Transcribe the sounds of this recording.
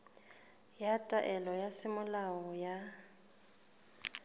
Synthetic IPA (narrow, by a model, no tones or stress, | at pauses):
jatʼaʔɛlɔjasɪmʊlaɔja